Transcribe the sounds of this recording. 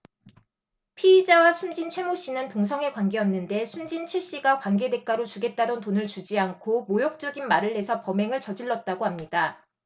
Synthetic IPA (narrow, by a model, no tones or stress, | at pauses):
pʰiːd͡ʑawasʰund͡ʑint͡ɕʰwe̞moɕ͈inɯntoŋsʰʌŋe̞kwanɡe̞ʌnːɯnde̞sʰund͡ʑint͡ɕʰiɭɕ͈iɡakwanɡe̞de̞k͈aɾot͡ɕuɡe̞t̚t͈adʌntonɯɭt͡ɕud͡ʑiaŋkʰomojok̚t͡ɕ͈ʌɡinmaɾɯɭːe̞sʰʌpʌme̞ŋɯɭt͡ɕʌd͡ʑiɭːʌt̚t͈aɡohamɲida